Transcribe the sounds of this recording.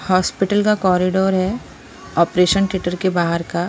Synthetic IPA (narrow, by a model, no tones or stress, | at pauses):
hɔːspɪʈəlkakɔːɾɪɖoːɾɦɛ | ɔːpɾeːʃənʈɪʈəɾkebaːɦəɾka